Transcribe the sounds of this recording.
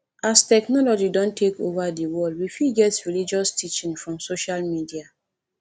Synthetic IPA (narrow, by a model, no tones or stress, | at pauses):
astɛknɔlɔd͡ʒidɔ̃ntʰekovadiwɔldwifiɡɛtɹilid͡ʒɔstʰit͡ʃĩnfɹɔ̃msoʃalmidia